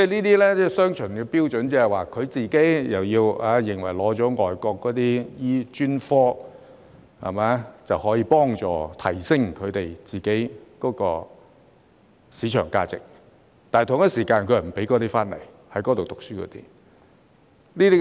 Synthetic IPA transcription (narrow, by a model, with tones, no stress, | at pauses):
t͡sɛ˥˩niː˥t̪iː˥lɛː˥t͡sɛː˥˩sœː˥ŋt͡ʃʰɵ˨˩nkɛː˧piː˥wt͡ʃɵ˨˥nt͡sɛ˧˥hɐ˨˩jwaː˨kʰɵ˨˧ɥt͡siː˨ke˨˥jjɐ˨˩wjiː˧waː˨˧˥jɪ˨˩ŋwɐ̰˨˩jlɔː˨˥t͡sɔː˨˥ŋɔː˨jkɔː˧kːɔː˨˥t̪iː˥jiː˥t͡ʃyː˥nfɔː˥ | ha̰˨˩maː˨˦t͡sɐ˨whɔː˨˥jiː˧pɔː˥ŋt͡sɔ̰ː˨t̪ʰɐ˨˩jsɪ˥ŋkʰɵ˨˧ɥt̪e˨˩jt͡siː˨˩ke˨˥jkɔː˨˥kɔː˧ | siː˨˥t͡ʃʰœ̰ː˨˩ŋka̰ː˧t͡sɪ̰˨k̚ | t̪aː˨t̪ʰʊ˨˩ŋjɐ˥siː˨˩kaː˧nkʰɵ˨˧˥ɐ˨˩m̩˨˩pe˨˥jkɔː˨˥t̪i˥faː˥nlɐ˨˩j | hɐ˨˥jkɔː˨˥t̪o˨wt̪ʊ˨k̚syː˥kʰɔ̰˨˧˥t̪ḭː˥ | niː˥t̪i˥